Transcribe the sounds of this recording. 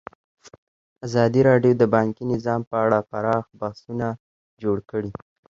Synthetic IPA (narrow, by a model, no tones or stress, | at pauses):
azɑd̪iɾɑɖjod̪əbɑŋkinɪzɑmpəaɽafaɾɑxbahsuna | d͡ʒoɽkəɽi